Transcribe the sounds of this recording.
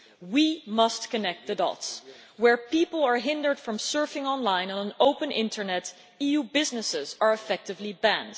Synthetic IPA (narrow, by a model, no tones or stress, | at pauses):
wimʌst̚kɨnɛk̚t̪̚ðɨdɔ̰ts | wəɹpipl̩ˠə˞ɦɪ̃ndə˞d̥fɹʌ̃msɜ˞fɪ̃ŋɑ̃nlãɪ̃nə̃nə̃noʊpə̃nʔɪ̰̃ntʰə˞nɛt | ijubɪznɨsɪzə˞ɨfɛk̚tɨvlibæ̃nd̥